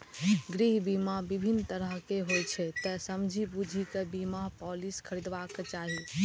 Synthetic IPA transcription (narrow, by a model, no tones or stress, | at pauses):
ɡɾiɦbimabibʱinːt̪əɾəɦkeɦojt͡ʃʰɛt̪ɛsəmd͡ʒʱibud͡ʒʱikebimapɔliskʰəɾid̪baket͡ʃaɦi